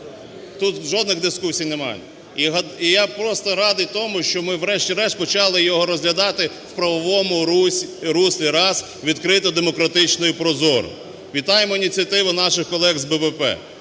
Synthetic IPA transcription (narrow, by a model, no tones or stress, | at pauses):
t̪ut̪ʒɔd̪nɪɣd̪ɪskusʲijnɛmɑ̰jɛ | iɦɐijapɾɔst̪ɔɾɑd̪ɪjt̪ɔmʊʃt͡ʃɔmɪʋɾɛʃtʲiɾɛʃpɔt͡ʃɑlˠɪjɔɦɔɾɔzɦlʲɐd̪ɑt̪ɪwpɾɐʋɔʋɔmʊ | ɾusʲlʲiɾɑs | ʋʲid̪kɾɪt̪ɔd̪emɔkɾɐt̪ɪt͡ʃnɔjipɾɔzɔr | ʋʲit̪ɑjemɔinʲit͡sʲijɐt̪ɪʋʊnɑʃɪxkɔlˠɛɣzbɛʋɛpɛ̰